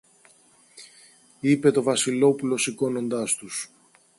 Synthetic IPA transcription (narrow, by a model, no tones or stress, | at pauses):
ipe̞t̪o̞vɐsilo̞pulo̞siko̞no̞nd̪ɐst̪us